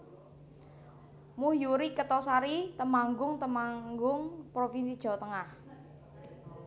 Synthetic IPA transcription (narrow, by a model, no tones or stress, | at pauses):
muhjuɾikət̪ɔsaɾit̪əmaŋɡʊŋt̪əmaŋɡʊŋpɾofinsid̥ʒ̥ɔ̤t̪əŋah